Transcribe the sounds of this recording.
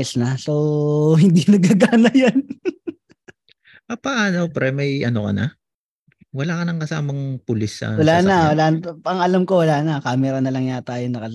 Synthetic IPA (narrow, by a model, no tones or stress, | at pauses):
ɛsnɐsowɦɪnd̪inɐɡ̚aɡaːnɐjan | ʔɐpɐʔanopɾɛmɐjʔɐnokɐnɐ̰ | wɐlaːkɐnɐŋkɐsa̰ːmɐŋpʊlɪsːɐ̰wɐlaːnɐwɐlanpɐŋɐlɐmko̞wɐlaːnɐkaːmɛɾɐnɐlɐŋjat̪aːjonɐkɐ